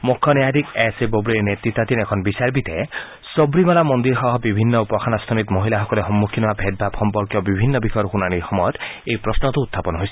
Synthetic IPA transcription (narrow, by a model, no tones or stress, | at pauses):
mukʰːɔnjad̪ikesebobɾeɾnet̪ɾit̪ːat̪inekʰɔnɔbisaɾbit̪e | sɔbɾimalamɔnd̪iɾɦɔɦɔbibʱinːɔupɔkʰanast̪ʰɔnit̪mɔɦilaɦɔkɔleɦɔmːukʰinɔabʱed̪̚bʱabxɔmpɔɾkjɔbibʱinːɔbixʰɔjɔɾxunañixɔmɔjɔt̪ejpɾɔsnɔt̪uut̪ʰːapɔnɦojsi̥